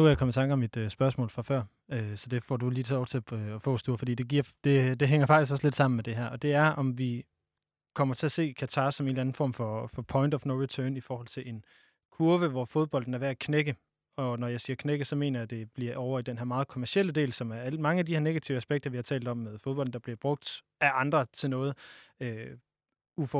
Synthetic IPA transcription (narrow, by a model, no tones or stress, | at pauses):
nuæjakʰɒ̽mət͡sʰɑ̈ŋɡ̥ɒ̽mːid̥øsb̥ɶɐsmɔ̰̽ːlfʁɑ̈fɶɐ̰ | øsɒ̽d̥e̝fɒ̰ːd̥uliːt͡sʰe̝lɒʊt͡sʰe̝æfɔ̰ːsd̥uːɐfɒdḭːd̥e̝ɡ̥iɐ̰d̥e̝d̥e̝ɦeŋ̰ɐfɑ̈ɡ̥isɡ̥ɒ̽sle̝d̥sɑ̈m̰n̩med̥e̝ɦæɐ̰ʔɒ̽d̥e̝æɐʔɒ̽mʋi | kʰɒ̽m̰ɐt͡sʰe̝æse̝̰ːkʰæt͡sʰɑ̈ːsːɒ̽me̝̰ːnlæn̩fɒ̰ːmfɒ̽fɒ̽pʰɒ̽ɪnd̥ɒfnoʊʁit͡sʰœːnifɒːhɒ̽l̰t͡sʰe̝le̝n | kʰuɐʋəʋɒfo̝ð̞ˠb̥ɒ̽l̰d̥n̩æɐʋeækʰneɡ̥ə | ɒ̽nɒjɑ̈ɪsiːɐkʰneɡ̥əsɒ̽me̝̰ːnɐjæd̥e̝b̥liɐʔɒʊɐid̥enɦæɐ̰mɑ̈ːð̩ˠkʰomæɐsiel̰əd̥e̝̰ːlsɒ̽mæɐælmɑ̈ŋəædihæɐne̝ɡ̥æt͡sʰiʊəæsb̥eɡ̥̚d̥ɐʋihɑ̈t͡sʰɛ̰ːld̥ɒ̽mːeðˠfoðˠbɒ̽ldn̩d̥ɑ̈b̥liɐb̥ʁɔ̽ɡ̥̚d̥ | æʔɑ̈nd̥ʁɐt͡sʰe̝lnɔ̽ːð̞̩ˠø | ufɒ